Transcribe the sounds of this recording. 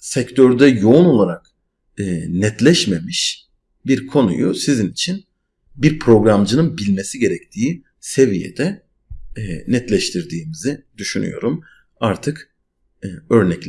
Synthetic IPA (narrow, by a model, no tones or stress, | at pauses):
sɛct̪ʰøɾd̪ɛjo̞uno̞lˠaɾakː | nɛt̪lʲɛʃme̞miʃ | biɾkʰo̞nṵjusizinit͡ʃʰin | biɾpʰɾo̞ɡɾamd͡ʒɯnɯnbilʲme̞siɟe̞ɾɛc̚t̪ʰiː | se̞vijḛd̪ɛ | nɛt̪lʲɛʃt̪ʰiɾd̪iːmizid̪yʃyny̰jo̞̰ɾum | aɾt̪ʰɯkː | ø̞ɾnɛclʲ